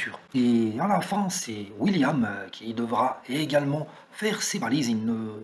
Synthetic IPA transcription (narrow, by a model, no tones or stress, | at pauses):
yːʁealafɛ̃sɛwiljamkʲʰid̪əvʁaeɡalmɑ̃ | fɛʁsebalizinə